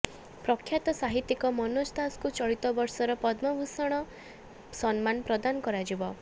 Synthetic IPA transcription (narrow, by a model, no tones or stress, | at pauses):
pɾɔkʰːjat̪ɔsaɦit̪ːikɔmɔnost̪ʰaskut͡ʃɔɭit̪ɔbɔɾsɔɾɔpɔd̪mɔbʱusɔɽ̃ɔ | sɔnmanpɾɔd̪anɔkɔɾad͡ʒibɔ